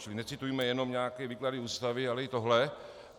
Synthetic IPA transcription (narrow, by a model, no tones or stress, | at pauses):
t͡ʃɪlɪnɛt͡sɪt̪ujimɛjɛno̞mɲaːkɛːviːkladɪuːst̪avɪalɛɪt̪o̞ɦlɛ